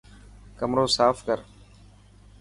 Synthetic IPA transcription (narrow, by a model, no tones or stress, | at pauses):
kəmɾoːsaːfkəɾ